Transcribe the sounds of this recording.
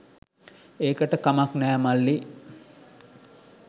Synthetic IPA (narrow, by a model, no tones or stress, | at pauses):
eːkəʈəkamaknæːmalːi